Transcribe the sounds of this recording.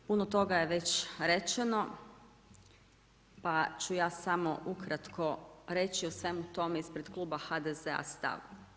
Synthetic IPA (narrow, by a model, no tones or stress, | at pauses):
punot̪o̞ɡaje̞ʋe̞t͡ɕɾe̞t͡ʃeno̞ | pat͡ɕujaːsamo̞ʔukɾat̪kʰo̞ɾe̞t͡ɕiosʋe̞mut̪o̞meispɾed̪klˠuːbaxad̪ezea̰st̪a̰ʋ